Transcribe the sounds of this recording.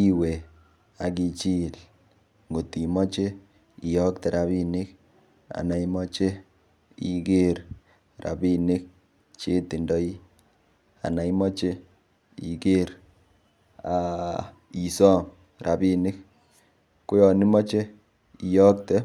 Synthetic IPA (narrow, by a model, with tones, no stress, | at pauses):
i˦we˨ | a˨k̬i˧t͡ʃi˦l | ŋɡo˨ti˨mɔ˦t͡ʃe˦ | i˨jɔ˦k̚tɛ˨ɾa˨βi˦nɪ˦k | a̰˨na˨i˦mɔ˦t͡ʃe˦ | ḭ˨ɡe˦ɾ | ra̰˨bi˦nɪ˦k̚ | t͡ʃe˦ti˨ndɔ˦i˦ | a̰˨na˨i˦mɔ˦t͡ʃe˦ | ḭ˨ɡe˦ɾ | a˨ | i˨sɔ˦m | ɾa˨bi˦nɪ˦k | ko˦jɔ˨ni˦mɔ˦t͡ʃe˦ | i˨jɔ˦k̚tɛ˦